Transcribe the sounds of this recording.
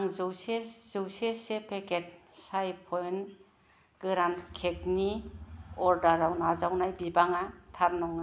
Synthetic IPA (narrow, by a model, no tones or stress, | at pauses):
aŋzɯwsez̥ɯwsesepʰeket̚sajpʰɔjn | ɡ̥ɯɾankʰekni | ɔɾdaɾawnazawnajbibaŋatʰaɾnɔŋa